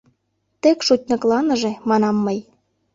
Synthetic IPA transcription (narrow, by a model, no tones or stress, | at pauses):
t̪ekʃut̚ʲnɤ̆klɑnə̆ʒĕmɑnɑmːəj